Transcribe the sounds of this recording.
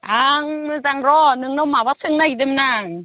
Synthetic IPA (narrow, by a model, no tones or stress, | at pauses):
ʔaŋzaŋɾɔːnɯŋnɔwmaːwasɯŋnad̪emnaŋ